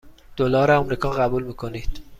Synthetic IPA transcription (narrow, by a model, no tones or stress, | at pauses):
d̪̥olɒːɾeɒmɾiːkʰɒːɣæbuːlmiːkʰo̞nid̪̥